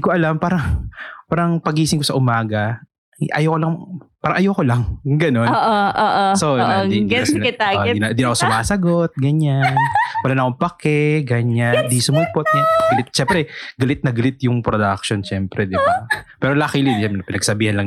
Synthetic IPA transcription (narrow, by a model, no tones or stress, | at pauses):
d̪ikoʔɐlampaːɾɐŋpaːɾɐŋpɐɡiːsɪŋkosɐʔʊmaːɡɐ | ʔʔɐ̰jokolɐŋpaːɾɐŋʔɐjokolɐŋɡɐno̞nːʔoʔoːʔosonɐɪɛt̪aɪnd̪ɪnɐkosʊmaːsɐɡo̞t̪̚ɡɐɲannwɐlaːnɐkoŋpɐkɛɡɐɲand̪isʊmuːpot̪̚ɛɡɐlɪt̪̚t͡ʃɛmpɾɛɡɐlɪt̪̚nɐɡɐlɪt̪̚jʊŋpɾod̪ak̚ʃonʃɛmpɾɛd̪ɪbapɛːɾolakilid̪ɛmɛɐpɪnɐɡ̚sɐbiːhɐnlɐŋ